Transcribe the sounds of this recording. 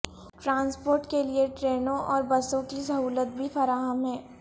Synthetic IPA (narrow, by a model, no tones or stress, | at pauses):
ʈɾãːnspoːɾʈkelieʈɾeːnõʔɔːɾbɐsõkisɐɦuːlət̪̚bʱifɐɾaːɦəmɦɛ̃ː